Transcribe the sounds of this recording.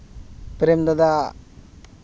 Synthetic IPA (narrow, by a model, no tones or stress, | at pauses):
pɾemd̪ɔd̪a